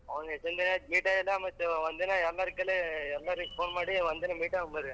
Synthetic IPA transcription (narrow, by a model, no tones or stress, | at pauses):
ɐʋɐŋɡɐt͡ʃɛnd̪ɐnaːmiːʈaːɛlːaːmɐt̪ːʋɐnd̪ɯnãːɛlːaːɾɯkːɐleɛlːaːɾɯkːpoːnɐmaːɽiʋɐnd̪ɯnaːmiːʈːaːɐmɐɾɯ̃